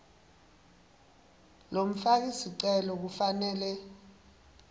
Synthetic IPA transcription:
lom̩fak̬isiǀɛlɔk̬ufanɛːlɛ

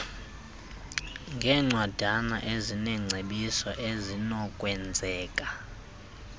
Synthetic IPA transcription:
ŋɡʱɛːŋ͡ǀʱwad̥ʱana̰ʔezinɛŋ͡ǀʱeɓisɔʔezinɔkʼwɛnd͡zʱɛːkʼa

